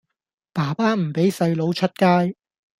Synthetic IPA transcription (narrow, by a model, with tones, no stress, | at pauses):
paː˨˩paː˥m̩˨˩pe˨˥jsɐ˧jlo˨˥wt͡ʃʰɵ˥t̚kaː˥j